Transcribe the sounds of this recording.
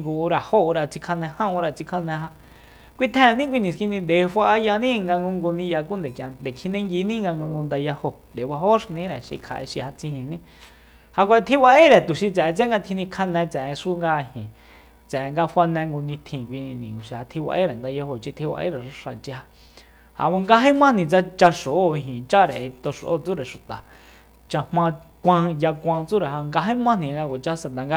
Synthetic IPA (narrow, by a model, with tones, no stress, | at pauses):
ŋɡu˧ɾa˨ho˦˧ɾa˧t͡si˧kʰa˧nɛ̃˧hã˦ũ˧ɾa˧t͡si˧kʰa˦nɛ̃˧ɦa˧ | kʷi˦t̪ʰɛ̃˦˧nĩ˦kʷi˧nĩ˨ski˧nĩ˧nd̪e˨˧fʷa˧a˧ja˧nĩ˦˧ŋɡa˧ŋɡu˧ŋɡu˧nĩ˧ja˧ku˦nd̪e˨kjã˨nd̪e˨kʰi˧nẽ˦ŋɡi˧nĩ˦ŋɡa˧ŋɡũ˧ŋɡu˧nd̪a˧ja˧ho˧nd̪e˨˧wa˧ɦo˦ʃi˧nĩ˦ɾɛ˨ʃḭ˧kʰa̰˨ʔḛ˧ʃi˧ha˧t͡sĩ˧hĩ˧˨nĩ˦ | ha˧kʷa˧t̪ʰi˦wa˧ʔe˦ɾɛ˨t̪u˨ʃi˧t͡sɛ˨˧t͡se˦ŋɡa˧t̪ʰi˧nĩ˧kʰa˦nɛ̃˧t͡sɛ˨ẽ˧ʂu˦ŋɡa˧hĩ˨ | t͡sɛ˨˧ŋɡa˧fʷwa˧nɛ̃˧ŋɡu˧nĩ˧t̪ʰĩ˧˨kʷi˧ñ˧nĩ˨u˨ʃi˧˨ha˧t̪ʰi˧wa̰˧ʔe˦ɾe˨nd̪a˧jo˧ɦo˧t͡ʃi˧t̪ʰi˧wa̰˧ʔḛ˦ɾe˨ʃʂa˨t͡ʃi˧˦a˧ | ha̰˧βã˧ŋɡa˧ɦẽ˦mã˦nĩ˨t͡sa˧t͡ʃa˧ʂo˨o˦˨i˧ɦĩ˨t͡ʃa˦ɾe˨e˧t̪o˧ʂo˨ʔo˦t͡su˦ɾe˨ʃu˨t̪a˨ | t͡ʃa˧mã˧ | kʷã˧ja˧kʷã˧t͡su˦ɾe˨ɦa˧ŋɡa˧ɦẽ˦mã˦nĩ˨˧ŋɡa˧kʷa˨t͡ʃa˧sa˧nã˨ŋɡa˧